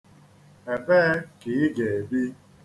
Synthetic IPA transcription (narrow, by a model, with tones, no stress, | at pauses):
e˨beː˦ki˨˦ɡe˨e˨bi˦